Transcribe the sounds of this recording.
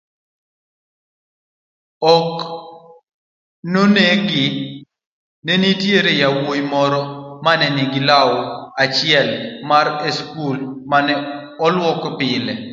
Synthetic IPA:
ɔk | noneɡɪ | nɛnitjeɾejawojmɔɾɔmanɛniɡɪlaɔat͡ʃɪɛlmaɾeskulmanɛ | ɔlwɔkɔpɪlɛ

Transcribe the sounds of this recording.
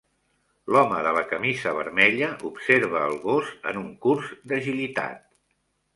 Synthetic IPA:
lɔməðələkəmizəβəɾmɛʎəʔupseɾβ̞əːlˠɣozə̰nuŋkuɾzd̪əʒilit̪a̰t̪̚

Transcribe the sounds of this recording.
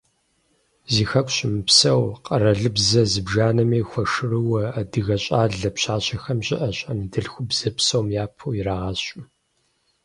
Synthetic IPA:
ziːxɐkʷʼɕɪmɨpsɐwqɐrɐɮɨbzɐzɨbʒaːnɐmiːxʷɐʂɨrɨwɐɐdɨɣɐɕʼaːɮɐpɕaːɕɐxɐmɕʼɪʔɐɕʼɐmdɨɬxʷʊbz̥ɐpsɐwmjaːpʰuːjɪɾaːʁɐɕʼʊ

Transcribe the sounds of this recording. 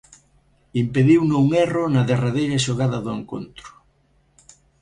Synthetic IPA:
impeðiwnouŋɛrʊnɐðeraðejɾɐʃoɣaðɐðʊeŋko̰nt̪ɾʊ̥

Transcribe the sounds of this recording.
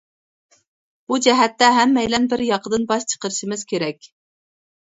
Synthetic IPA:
b̥ud͡ʒɛɦɛt̪ːɛɦɛmːɛjlɛnbɪɾjɑqʰəd̪ɨnbɑʃt͡ʃʰə̥qəɾɨʃɪmɪz̥kʲʰeɾɛkʲ

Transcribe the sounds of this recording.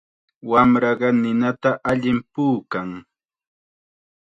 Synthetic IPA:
wamɾɑɢɑnɪnat̪aʔaʎɪmpuːkaŋ

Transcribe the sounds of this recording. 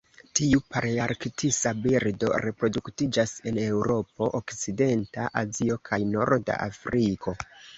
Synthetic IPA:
tiupaɾaɾktisabiɾdo̞̰ɾe̞pɾo̞duktid͡ʒase̞ne̞wɾo̞po̞ʔokt͡side̞ntaʔazio̞kʰajno̞ɾda̰ʔa̰fɾikʰo̞

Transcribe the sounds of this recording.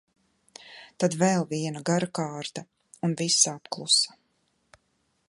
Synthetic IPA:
t̪ad̪vɛlˠviɛnaɡaɾakaːɾt̪a | unvisaapklˠusḁ

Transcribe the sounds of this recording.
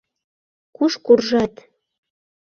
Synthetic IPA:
kuʃkurʒɑt̪

